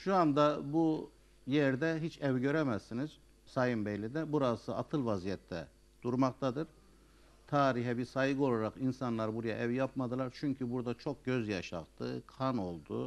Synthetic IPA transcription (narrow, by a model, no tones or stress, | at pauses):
ʃuand̪abu | jɛɾd̪ɛɦit͡ʃʰɛvɟø̞ɾɛmæzːiniz̥ | sajɯmbɛlʲːid̪ɛbuɾasɯa̰t̪ʰɯlˠvazijɛt̪ʰːɛ̰ | d̪̥uɾmaq̚t̪ʰad̪ɯɾ̥ | t̪ʰaːɾiɦɛbiɾsajɡɯo̞lˠaɾaqinsanlˠaɾbuɾajaʔɛvjapmad̪ɯlˠaɾt͡ʃʰyɲcʰybuɾd̪at͡ʃʰo̞k̚ɟø̞zjaʃa̰qt̪ʰɯ̰kʰano̞lˠd̪ṵ